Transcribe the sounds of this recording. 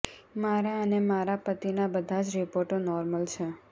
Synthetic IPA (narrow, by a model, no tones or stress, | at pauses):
maɾaənemaɾapət̪inabəd̪ʱad͡ʒɾipoɾʈonɔɾməlt͡ʃʰe